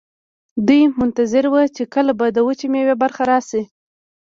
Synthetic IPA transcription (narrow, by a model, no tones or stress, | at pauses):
d̪ujmʊnt̪azɪɾwət͡ʃekəlabad̪əwət͡ʃimewebaɾxaɾɑsi